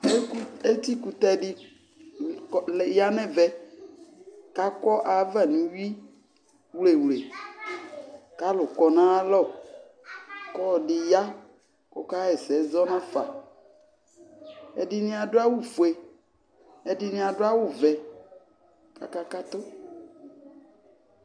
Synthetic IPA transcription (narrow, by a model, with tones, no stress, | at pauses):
e˦t̪i˦ku˨t̪ɛ˦ɖi˦˨ | lɛ˨ja˦nɛ̃˦vɛ˦ | ka˦kɔ˦ʔa˨˦va˨nũ˨wi˦ | wle˨wle˨ | ka˦lʊ˨kɔ˨nã˦lɔ˦˨ | kɔ˦˨ɖi˨ja˦ | ko˦ka˦ɛ˨sɛ˨zɔ˦nã˦fa̰˨ | ɛ̰˨di˦nĩ˦a˨ɖo˦a˦wu˦fu˨e˨ | ɛ˦di˦nĩ˦a˨ɖo˦a˦wu˦˨vɛ˨ | ka̰˨ka˦ka˦t̪o˦